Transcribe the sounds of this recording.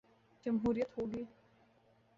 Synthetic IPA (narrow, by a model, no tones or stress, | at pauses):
d͡ʒɐmɦuːɾijət̪ɦoːɡiː